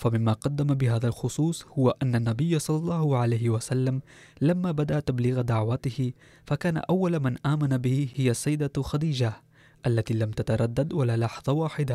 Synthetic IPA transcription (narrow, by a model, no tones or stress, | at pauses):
famɪmːaːqɑd̪ːamabɪɦaːðalxʊsˤuːsˤhʊwaʔanːanːabɪjːasˤɑlːɑlˤːɑːhʊʕalajhɪwasalːam | lamːaːbad̪aʔt̪abliːɣad̪aʕwat̪ɪhɪ | fakaːna̰ʔawːalmanʔaːmanabɪhhɪjasːajːd̪axad̪iːd͡ʒa | ʔalːat̪iːlamt̪at̪ɑɾˤɑd̪ːad̪walaːlɑħðˤɑwaːħɪd̪a